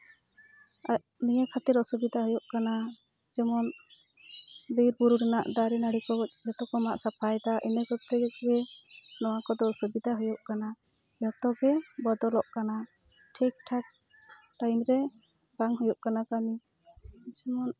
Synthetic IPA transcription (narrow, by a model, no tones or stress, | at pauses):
a | nijakʰat̪iɾɔsubid̪ʱaɦujɔʔkana | d͡ʒɛmɔn | biɾbuɾuɾɛnaʔd̪aɾinaɽikɔd͡ʒɛt̪ɔkɔmaʔsapʰajd̪aʔinɛɡɔt̪ɛɡɡɛnɔwakɔd̪ɔsubid̪ʱaɦujɔʔkana | jɔt̪ɔɡɛbɔd̪ɔlɔʔkana | ʈʰɛk̚ʈʰak̚ | ʈajmɾɛ | baŋɦujɔʔkanakami | d͡ʒɛmɔn